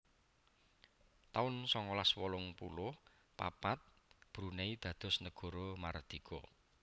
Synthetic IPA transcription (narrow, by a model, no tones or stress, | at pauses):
t̪aʊnsɔŋɔlaswɔlʊŋpulʊh | pa̰pat̪̚ | b̥ɾuneid̪̥ä̤d̪̥ɔ̤snəɡ̥ɔ̤ɾɔma̰rd̪̥i̤kʰo̰